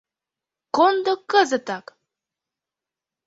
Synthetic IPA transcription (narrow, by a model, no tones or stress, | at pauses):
kond̪okːəzə̆t̪ɑk